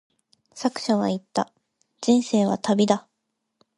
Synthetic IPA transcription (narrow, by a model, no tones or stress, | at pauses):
sakɯ̟̥ɕaβa̰it̪ːa̰ | d͡ʑĩɰ̃se̞ːβa̰t̪abʲid̪a